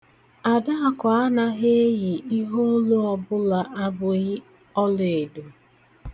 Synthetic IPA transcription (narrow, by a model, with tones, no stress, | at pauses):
a˨da˦a˦ka˨a˦na˦ɦe˦jɪ˨i˦ɦo˦lo˦ɔ˦bʊ˦la˨ʔa˦bʊ˨ɣɪ˦ | ɔ˦le˨e˨du˨